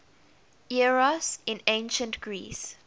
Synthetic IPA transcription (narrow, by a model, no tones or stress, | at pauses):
iɹɔsɪ̃nẽɪ̃nʃə̃ntɡ̥ɹḭːs